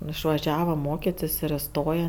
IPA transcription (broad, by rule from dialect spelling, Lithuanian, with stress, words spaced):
ɪʃʋɐˈʒʲæːʋɐ ˈmoːkʲɪtʲɪs ɪr ɪˈstoːjɛ